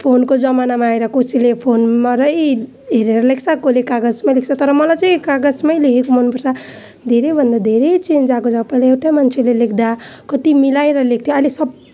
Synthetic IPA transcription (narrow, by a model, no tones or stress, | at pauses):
pʰonkod͡zʌmanamaːeɾʌkosilepʰonmaɾʌj | ɦeɾeɾʌlek̚ʰt͡sʰʌkolekaɡʌd͡zmalek̚t͡sʰʌt̪ʌɾʌmʌlajt͡sʌĩkaɡʌd͡zmʌjlekʰekomʌnpʌrsʰʌ | d̪ʱeɾejbʱʌnd̪ad̪ʱeɾʌjt͡send͡zakod͡zapːaleewʈamant͡sʰelelekʰd̪akʌt̪imilaeɾʌlek̚ʰt̪ʰjoʌlesʌb